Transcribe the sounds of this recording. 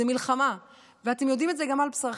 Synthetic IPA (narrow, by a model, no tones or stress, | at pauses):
emilχama | veat̪emjo̞dimetzeɡamalpsʁ